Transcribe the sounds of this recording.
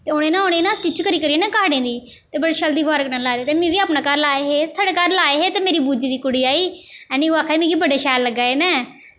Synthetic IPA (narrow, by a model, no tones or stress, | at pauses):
t̪eːʊñẽːnãːoñẽːnãːsʈɪt͡ʃkəɾiːkəɾieːnãːkaːɽẽːd̪iː | t̪eːbəɽeːʃəld̪iːʋaːɾəknãːlaːɾeːt̪eːmẽːʋiːaːpnãːkaːɾlaːeɦeːsaːɖeːkaːɾlaːeːɦeːt̪eːmeːɾiːbuːd͡ʒd̪iːkʊɽiːaːiːɛːnĩːoaːkʰaːimẽːkiːbəɖaːʃɛːlːəɡːaːeːnɛ̃ː